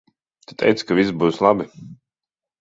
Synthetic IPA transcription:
tt̪u̥t̪ɛ̰jt̪skavisbuːslˠabi

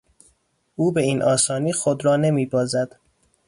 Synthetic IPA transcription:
ʔuːbe̞iːnʔɒːsɒːniːxod̪ɾɒːne̞miːbɒːzæd̪̥

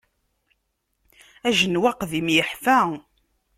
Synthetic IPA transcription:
æʒənwaqðimjəħfæ

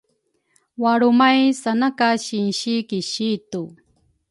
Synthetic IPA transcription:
waɾʊmajsanakaʃɪnʃikɪʃit̪ʊ

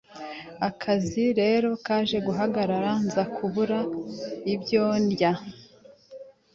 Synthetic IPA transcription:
akʰaziɾe̞ːɾo̞kaːʒe̞ɡuɦaɡaɾaɾanzakʰuβuɾaibjondja

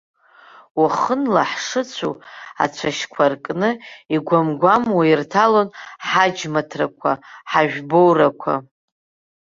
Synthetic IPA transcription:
waχənlaħʂɨt͡sʷʰṵa̰t͡ɕʷʰaʃkʷʰarkʼnɨiɡʷamɡʷamwairtʰalonħad͡ʒmatʰrakʷʰaħaʒᶣbowrakʷʰa̰

